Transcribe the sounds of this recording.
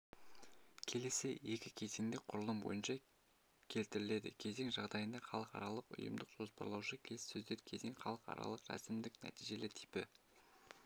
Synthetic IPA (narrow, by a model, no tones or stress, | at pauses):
kʲʰe̞le̞sɪje̞kʲɪkʲʰe̞zeŋd̪ɪqʰʊɾəlˠəmbo̞̰jənʃɑ | kʲʰe̞lt̪ɪɾɪle̞d̪ɪ̰kʲʰe̞ze̞ŋʒɑʁd̪ɑjənd̪ɑχɑlˠəqɑ̰ɾɑlˠəqʊ̰jə̰md̪əqʒ̥o̞spɑ̰ɾlˠɑwʃəkʲʰe̞lɪsɵzd̪e̞ɾkʲʰe̞ze̞ŋχɑlˠəqɑ̰ɾɑ̰lˠəqɾæ̰sɪmd̪ɪknæ̰t̪ijʒe̞lɪt̪ʰi̥pɪ